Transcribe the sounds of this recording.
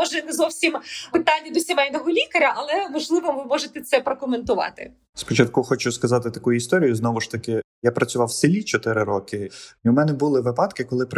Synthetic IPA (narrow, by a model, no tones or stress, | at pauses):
ɔʒɛnɛzɔwsʲimpɪt̪ɑnʲːɐd̪ɔsʲimɛjnɔɦɔlʲikɐɾʲɐʔɐlˠɛʋɐʒlˠɪʋɔʋɪmɔʒet̪ɛt̪sɛpɾɔkɔment̪ʊʋɑ̰t̪ɪ̰ | spɔt͡ʃɐt̪̚kuxɔt͡ʃʊskɐzɑt̪ɪt̪ɐkujʊist̪ɔɾʲijʊznɔʋʊʃt̪ɐkɪjapɾʔɐt͡sʲʊʋɑwsɪlʲit͡ʃɔt̪ɪɾɪɾɔkɪʊmɛnɛbʊlˠɪʋɪpɑt̪kɪkɔlˠɪp